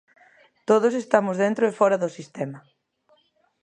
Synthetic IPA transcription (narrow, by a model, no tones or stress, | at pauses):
t̪oð̞os̬est̪amʊzðent̪ɾʊefɔɾaðʊsist̪ɛmɐ